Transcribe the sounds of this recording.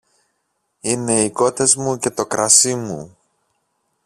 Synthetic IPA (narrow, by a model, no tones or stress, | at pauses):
ine̞iko̞t̪e̞zmuce̞t̪o̞kɾɐsimṵ